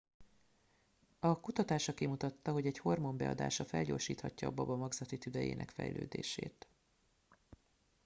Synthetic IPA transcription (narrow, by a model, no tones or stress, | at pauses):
ɒkut̪ɒt̪aːʃɒkimut̪ɒt̪ːɒɦo̞ɟɛcho̞rmo̞mbɛɒ̰d̪a̰ːʃɒfɛlɟo̞ːrʃiːt̪hɒcːɒbɒbɒmɒɡzɒt̪it̪yd̪ɛjḛːnʔɛ̰kfɛ̰jlø̰ːd̪eːʃeːt̪